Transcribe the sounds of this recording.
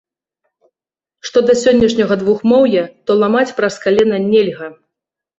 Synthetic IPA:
ʂt̪ɔd̪ɐsʲɔnʲːɐʂnʲɐɣɐd̪vuxmɔwjɛt̪ɔlˠamat͡sʲpɾɐskalʲɛnɐnʲɛlʲɣɐ

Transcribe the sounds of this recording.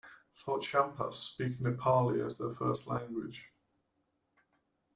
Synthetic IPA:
θɔˑtt͡ʃãmpʰə̰spiˑknəpʰɑːliə̰zðəfɜˑstlãŋɡwɪ̰d̥ʒ̥

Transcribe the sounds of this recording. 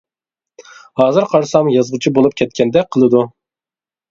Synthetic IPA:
hɑːzɨɾqʰɑɾsɑmjɑzʁət͡ʃʰibolˠup̚kʲʰɛt̪̚kʲʰɛnd̪ɛqʰəlˠɨd̪u

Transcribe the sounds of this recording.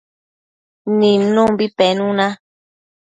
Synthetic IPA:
nimnombipɛnuna

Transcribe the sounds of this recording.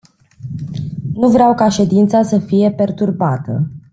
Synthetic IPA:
nuvɾeawkaʃe̞d̪int̪sasəfije̞pe̞rt̪urbat̪ə̰

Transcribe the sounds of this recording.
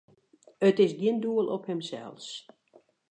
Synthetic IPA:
ətɪsɡiənduəlˠʔɔphɪmsɛ̰lˠs

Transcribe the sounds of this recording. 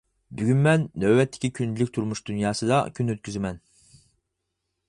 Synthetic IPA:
byɡʲynmɛnːɛwːɛt̪ʰːɪ̥kʲikʲʰynt͡ʃlykʲt̪ʰuɾmuʃd̪unjɑːsɨd̪ɑ̰kʲʰynøt̪̚kʲyzɪmɛn

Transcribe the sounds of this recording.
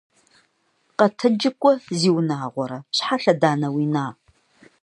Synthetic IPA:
qɐtʰɨd͡ʒɪkʷʼɔziːwnaːʁʷɔɾɐɕħaɬɐdaːnɐwiːnaː

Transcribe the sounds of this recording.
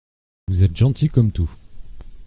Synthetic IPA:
vuzɛt̪ʒɑ̃t̪ikɔmt̪u

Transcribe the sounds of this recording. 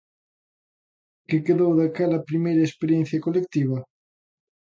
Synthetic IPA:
kɪkeðowðakɛlɐpɾimejɾɐespeɾjẽn̟θjɐkolek̚t̪iβɐ

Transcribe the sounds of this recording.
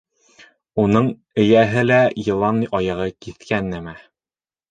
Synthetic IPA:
unɤɴ | ɘ̆jæɦɘlæjɤ̆lˠɑnːɤjʔɑjɑʁɤkiθkænːæmæ

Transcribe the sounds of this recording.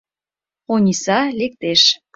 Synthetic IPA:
onʲisɑlek̚t̪eʃ

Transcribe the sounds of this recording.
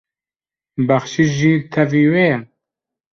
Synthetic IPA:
bæχʃiʒiːt̪ʰɛviːwejɛ

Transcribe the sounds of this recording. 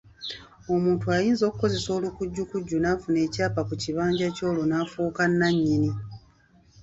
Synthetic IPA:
o̞muːntuajiːnzo̞ːkuko̞ze̞so̞ːlukuɟːukuɟːunaːfune̞ːcaːpakuciβaːɲɟaco̞ːlonaːfuːkanːaɲːini

